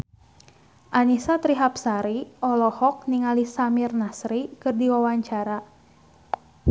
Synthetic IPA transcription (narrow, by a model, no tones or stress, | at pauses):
ʔanisat̪ɾiɦapsaɾiʔɔlɔhɔk̚niŋalisamirnasɾikɨrdiwawaɲt͡ʃaɾa